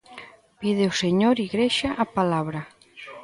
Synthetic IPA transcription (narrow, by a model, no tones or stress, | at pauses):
pið̞eoseɲoɾiɣɾeʃaʔapalaβɾa